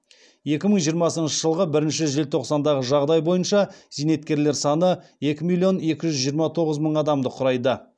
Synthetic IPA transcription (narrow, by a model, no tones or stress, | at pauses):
je̞kʲɪməɴʒijəɾmɑsənʃəʒəlˠʁəbɪɾɪnʃɪʒelt̪ʰo̞qsɑnd̪ɑʁəʒɑʁd̪ɑjbo̞jənʃɑz̥ene̞t̪kʲe̞ɾle̞ɾsɑnəje̞kʲɪmilʲˠio̞ne̞kʲɪʒʏzʒijəɾmɑt̪ʰo̞ʁəzməɴɑd̪ɑmd̪əqʰʊɾɑjd̪ə